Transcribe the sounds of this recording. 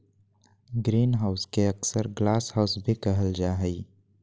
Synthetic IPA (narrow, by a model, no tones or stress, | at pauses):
ɡɾiːnɦaːʊskeɐksəɾɡlaːshaʊsbʱikəɦəld͡ʒaːɦəi